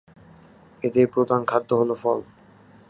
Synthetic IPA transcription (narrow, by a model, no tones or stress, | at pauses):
ed̪eɾpɾod̪ankʰad̪ʱːoɦolofɔl